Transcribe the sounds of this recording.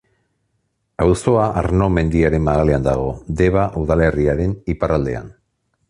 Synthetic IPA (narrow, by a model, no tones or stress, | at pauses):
awso̞aʔaɾno̞me̞nd̪iaɾe̞mːaɣaleand̪aɣ̞o̞d̪e̞β̞aʔuðale̞riaɾe̞niparald̪e̞̰a̰n